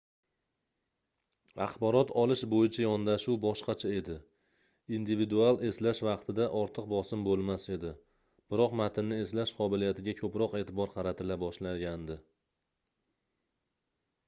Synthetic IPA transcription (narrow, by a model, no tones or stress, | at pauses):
ɑ̰χbɒɾɒt̪ʰɒlɪʃbojɪt͡ʃʰajɒnd̪aʃuwbɒʃqɑt͡ʃʰae̞d̪ɪ | ind̪ɪvid̪ualˠe̞slaʃvɑqt̪ʰɪd̪aʔɒɾt̪ʰɨqbɒsɪmbolˠmase̞d̪ɪ | b̥ɪɾɒqmat̪ʰɪnːɪe̞slaʃqʰɒbɪlijat̪ʰɪɡʲakʰɵpɾɒqe̞ːt̪ʰɪbɒɾqʰɑɾat̪ʰɪlabɒʃlaɡʲand̪ɪ